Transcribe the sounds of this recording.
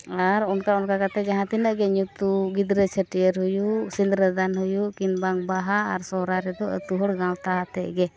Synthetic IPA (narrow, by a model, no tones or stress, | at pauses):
aɾɔnkaɔnkakat̪ɛd͡ʒaɦãt̪inəʔɡɛɲut̪uɡid̪ɾət͡ʃʰəʈijəɾɦujuʔsind̪ɾəd̪anɦujuʔkinbaŋbaɦaːɾsɔɾaɾɛd̪ɔə̰t̪uɦəɽɡãlt̪aɦat̪ɛʔɡɛ